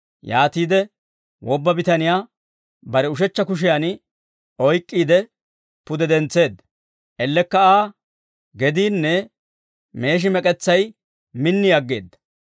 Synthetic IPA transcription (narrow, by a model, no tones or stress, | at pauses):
jaːt̪iːd̪ɛ | wɔbːɐbɪt̪ɐnɪjaː | bɐɾɛʊʃɛt͡ʃːɐkʊʃ̬ɪjan | ɔjkʼːiːd̪ɛ | pʊd̪ɛd̪ɛnt͡sːe̞ːd̪ːɐ | ʔɛlːɛkːɐaː | ɡɛd̪iːnːɛ | me̞ːʃ̬ɪmɛkʼɛt͡sːɐj | mɪnːɪjɐɡːeːd̪ːɐ̥